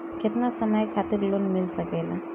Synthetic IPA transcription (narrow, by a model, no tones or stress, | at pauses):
kɪt̪nasɐməjkʰaːt̪ɪɾloːnmɪlsɐkeːlaː